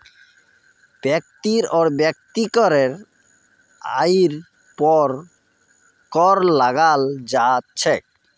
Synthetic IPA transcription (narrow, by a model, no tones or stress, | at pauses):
b̥ɛk̚t̪iɾɔɾbɛk̚t̪ikɔɾeɾ | a̰jiɾ | pɔɾ | kɔɾlaɡald͡ʑat͡ɕʰek̚